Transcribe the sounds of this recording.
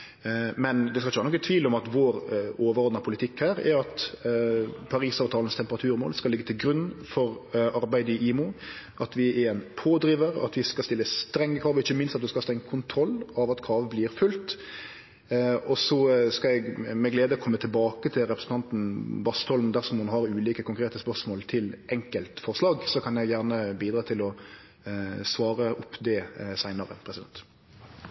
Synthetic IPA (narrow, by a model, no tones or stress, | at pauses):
mɛnd̪ɛskɑlɪçəʋæːɾnɔkːət̪ʰʋiːlɔmɑt̪ʋoːɾoːʋəɾɔɾd̪nɑpʰʊlɪt̪ʰɪkːhæːɾɛ̰ɾɑt̪ | pʰɑɾiːsɑːʋt̪ʰɑːlənst̪ʰɛmpəʁɑt̪ʰʉːɾmoːlskɑlɪɡːət̪ʰɪlɡɾʉnfɔɾɑɾbæɪd̪əɪʔiːmʊʔɑt̪ʰʋɪɛɛnpʰoːd̪ɾiːʋəɾɑ̰t̪ʋɪskɑst̪ɪlːəst̪ɾɛŋːəkʰɑːʋəɔɪçəmɪnst̪ɑt̪̚d̪ʉskɑhɑst̪ɾɛŋːəkʰʊnt̪ʰɾɔlːɑʋɑt̪kʰɑːʋəblɪɾfʉlt̪ | ɔsɔskɑɛɡmɛɡleːd̪əɔkʰɔmːət̪ʰɪlbɑːkət̪ʰɪlʁɛpɾəsn̩ʰɑnt̪n̩bɑst̪ʰɔlmd̪æʁʂɔmhʊnɦɑʁʉːliːkəkʊŋkʰʁeːt̪əspœʁʂmoːlt̪ʰɪlʔɛŋkəlt̪fɔʁslɑːɡsɔkʰɑnjæɪɡjæʁnəbiːd̪ɾɑːt̪ʰɪlɔ | sʋɑːʁəʔʊpːd̪ɛsæɪnəʁə̰pʰɾɛsɪd̪ɛ̰nt̪